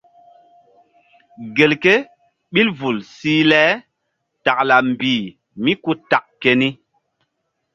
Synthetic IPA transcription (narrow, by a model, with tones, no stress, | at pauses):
ɡe˨lke˦ | ɓi˦lvu˨lsi˦lɛː˨˦ | ta˨k̚la˨m˨biː˨ | mi˦ku˦ta˨k̚ke˦ni˦